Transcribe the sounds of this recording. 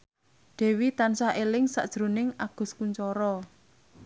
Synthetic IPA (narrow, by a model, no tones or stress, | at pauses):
ɖ̪̥e̤wit̪ansaʔelɪŋsa̰ʔd̥ʒ̥ɾṳnɪŋaɡ̥ʊ̤skuɲt͡ʃɔɾɔ